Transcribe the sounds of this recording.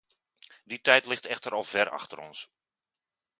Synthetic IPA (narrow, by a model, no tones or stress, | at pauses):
ditɛjtlɪxtɛxtəɾɔlˠv̥ɛrɑ̰xtəɾɔ̰ns